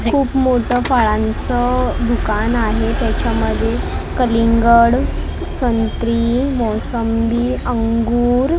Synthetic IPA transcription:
kʰuːpmoʈəfaɭãnt͡səd̪ukanaɦet̪jat͡ɕjaməd̪ʱːjekəliŋɡəɽ | sənt̪ɾiːmɔsəmbiːəŋɡuːɾ

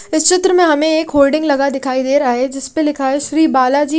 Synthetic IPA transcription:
ɪst͡ʃɪt̪ɾəmẽɦɐmẽeːkɦoːlɖɪ̃ŋɡlɐɡad̪ɪkʰaːid̪eːɾaːɦed͡ʒɪspelɪkʰaɦɛʃɾiːbaːlad͡ʒiː

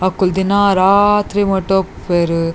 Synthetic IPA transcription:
ɐkːuld̪inːaɾaːt̪ɾimɐʈːopːeɾɯ

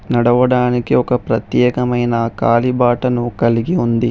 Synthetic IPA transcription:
nɐɽɐʋɐɽaːnikeɔkɐpɾɐt̪jɛːkɐmɐjnɐkaːlibaːʈɐnukɐliɡiund̪i

